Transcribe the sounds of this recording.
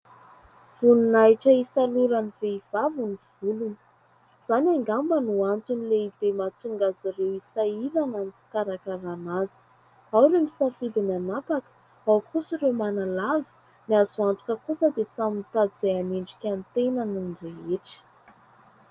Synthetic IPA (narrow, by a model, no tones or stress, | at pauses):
v̥uninajʈ͡ʂəisaluɾəniveiv̥avunivulunə̥ | z̥anaŋɡambənuant̪unileib̥emat̪uŋɡazirewisailananifi̥t̪aɾakəɾanazi̥ | awremisafid̪inanapakə̥ | awkusirewmanalavi̥ | niazuant̪u̥kəkusəd̪esamint̪ad̪iz̥eameɳɖ͡ʐi̥kʲant̪enəninɖ͡ʐeeʈ͡ʂə̥